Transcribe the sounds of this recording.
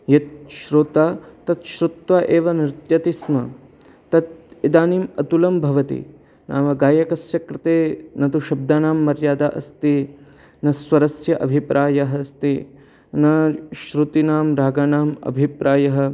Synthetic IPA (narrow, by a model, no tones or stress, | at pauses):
jɐt̪̚ʃɾoːt̪aːt̪ɐt̪ʃɾut̪ʋaːʔeːʋɐnɾɪt̪jɐt̪ismɐ | t̪ɐt̪̚id̪aːniːmɐt̪ulɐmbʱɐʋɐt̪ḭ | nʔa̰ːʋɐɡaːjɐkɐsjɐkɾɪt̪eːnɐt̪uʃɐb̚d̪aːnaːmːɐɾjaːd̪aːʔɐst̪i | nɐsʋɐɾɐsjɐʔɐ̰bʱipɾʔaːjɐɦɐst̪i | nɐʃɾut̪inaːmɾaːɡaːnaːmɐ̰bʱipɾʔaːjɐɦɐ̆